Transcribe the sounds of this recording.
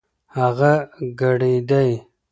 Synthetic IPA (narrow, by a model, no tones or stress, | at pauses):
haɣaɡaɽed̪aj